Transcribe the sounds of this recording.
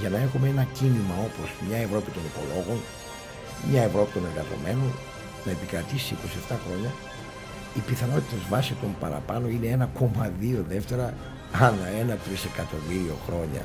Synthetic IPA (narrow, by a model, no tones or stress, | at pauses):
ʝɐnɐe̞xumeenɐcinimɐo̞po̞smɲɐe̞vɾo̞pit̪o̞nipo̞̰lo̞ɣo̞n | mɲɐe̞vɾo̞pit̪one̞ŋɣɐzo̞̰me̞non | nɐepikɾɐt̪isiiko̞sie̞ft̪ɐxɾo̞ɲɐ | ipiθɐno̞t̪it̪ɐzvɐsiko̞mpɐ̰ɾɐ̰pɐno̞ine̞enɐko̞mɐðio̞ðe̞ft̪e̞ɾɐ | ɐnɐe̞nɐt̪ɾise̞kɐt̪o̞miɾio̞̰xɾo̞ɲɐ̰